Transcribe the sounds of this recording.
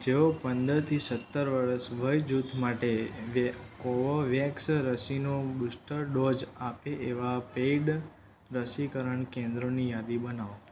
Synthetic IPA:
d͡ʒeopənd̪əɾt̪ʰisət̪ːəɾʋəɾəsʋəjd͡ʒut̪ʰmaʈeʋkoʋoʋjɛksɾəsinobusʈəɾɖod͡ʒapeʔeʋapeɖ | ɾəsikəɾəɳkẽnd̪ɾonijad̪ibənaʋo

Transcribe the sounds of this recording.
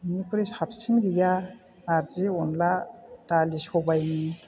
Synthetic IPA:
inikʰuɾisap̚sinɡija | naɾziɔnlad̥alisɔbajni

